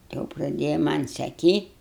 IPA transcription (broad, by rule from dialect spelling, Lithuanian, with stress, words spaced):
jɛʊ prɐˈdʲeːjɛ ˈmɐnʲ sɐˈkʲiːtʲ